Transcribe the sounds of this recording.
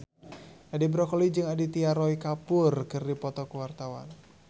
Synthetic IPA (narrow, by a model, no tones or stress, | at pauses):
ʔadibɾɔkɔlid͡ʒɨŋadit̪iaɾɔikapʊrkɨrdipɔt̪ɔkuwart̪awa̰n